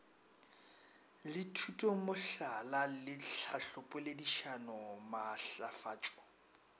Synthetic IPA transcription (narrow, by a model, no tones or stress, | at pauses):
lɪtʰutʼomʊɬalalɪɬʰaɬʊpʼʊlediʃanɔmaɬafa̰ːt͡ʃʼɔ̥